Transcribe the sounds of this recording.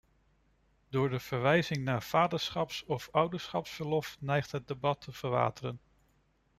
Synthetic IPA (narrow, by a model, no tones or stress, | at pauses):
d̥ʊːɹdəv̥əɹʋɛjzɪŋnaːɹv̥aːdəɹsχɑpsɔfʌwdəɹsχɑpsbəɹlɔfnɛjχtɦəd̚debɑtʰəv̥əɹʋa̰ːtərən